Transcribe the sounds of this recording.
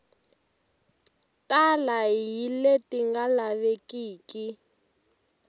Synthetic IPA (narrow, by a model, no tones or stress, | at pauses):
tʼalaɦiletiŋɡalaβekiːki